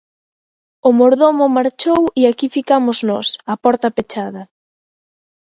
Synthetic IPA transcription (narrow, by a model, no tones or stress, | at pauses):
ʊmoɾðomʊmaɾt͡ʃowiakifikamʊznɔsapɔɾt̪ɐpet͡ʃaðɐ